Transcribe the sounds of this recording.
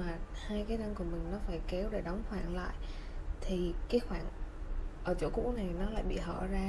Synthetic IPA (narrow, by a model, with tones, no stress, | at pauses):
maː˨˩haː˧jkaː˨˦jna˧ŋku˧˩əmï˨˩ŋ̟nɔ˨˦faː˧˩jke˨˦wɗe˧˩ɗɔ˨˦wŋ͡mxwaː˧˩nla̰ː˧˨jʔt̪ʰi˨˩kaː˨˦jxwaː˧˩nʔəː˧˩t͡ɕo̰˧˩kṵ˧˥na˨˩jnɔ˨˦la̰ː˧˨jɓḭ˧˨ɦə̰ː˧˩zaː˧